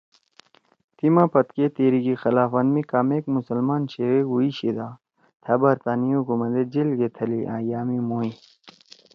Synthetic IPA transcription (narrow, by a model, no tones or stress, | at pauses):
t̪imãpɐt̪ket̪eːɾikixɐlaːfɐnmikaːmeːkmusɐlmaːnɕeweɡuiɕid̪a | t̪ʰɐbɐɾt̪aːniukumɐd̪ed͡ʑilɡet̪ʰɐliʔã̰ːjaːmimoːi